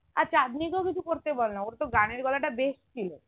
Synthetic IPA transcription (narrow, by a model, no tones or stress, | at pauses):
a̰ɾt͡ʃad̪nikɔkit͡ʃʰukoɾt̪ebɔlnaoɾt̪oɡaɽ̃eɾɡɔlaʈabest̪ʰile